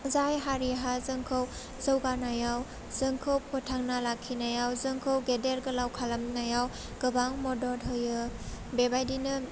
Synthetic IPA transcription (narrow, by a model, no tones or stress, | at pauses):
zajɦaɾiɦazɯŋkʰɯw | zɯwɡanajaw | zɯŋkʰɯwpʰɔtʰaŋnalakʰːinajawzɯŋkʰɯwɡedeɾɡɯlawkʰalamnajaw | ɡ̥ɯbaŋmɔdɔdɦɯjɯbebajdinɯ